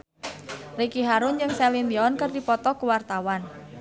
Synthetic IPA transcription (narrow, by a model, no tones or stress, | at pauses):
rikiɦaɾʊnd͡ʒɨŋsɛlimiɔnkərdipɔt̪ɔkuwart̪awan